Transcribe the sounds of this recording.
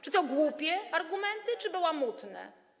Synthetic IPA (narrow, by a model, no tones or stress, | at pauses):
t͡ʂɘt̪ɔɡwupʲjɛaɾɡumɛnt̪ɘt͡ʂɘbɘwamut̪nɛ̰